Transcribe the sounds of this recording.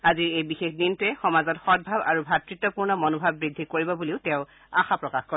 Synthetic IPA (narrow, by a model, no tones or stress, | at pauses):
aziɹejbixexdintʊɛxɔmazɔtxɔd̚bʱaba̰ɹubʱatɹitːɔpuɹnɔmɔnobʱabːɹidʱːikoɹibɔbuliʊtɛʊ̃ | axapɹɔkaxkɔɹ